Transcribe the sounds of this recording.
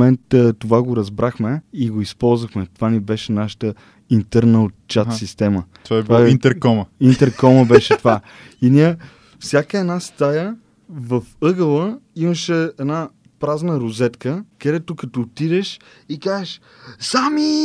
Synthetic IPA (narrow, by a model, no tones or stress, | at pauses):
ɛnt̪t̪ovaɡoɾɐzbɾʔaxmɛiɡoispɔlˠzvəxmɛt̪ovanibɛʃɛnaʃə̥t̪ə | int̪ɛɾnəot͡ʃːat̪sist̪ɛmət̪vavaint̪ɛɾkɔməint̪ɛɾkɔməbɛʃɛt̪ova | iniə | fsʲjakəɛd̪nast̪ajə | vəfɤɡəlˠəiməʃɛɛd̪na | pɾaznəɾozɛt̪kəkɐd̪ɛt̪okɐt̪ot̪id̪ɛʃ | ikazeʃ | sami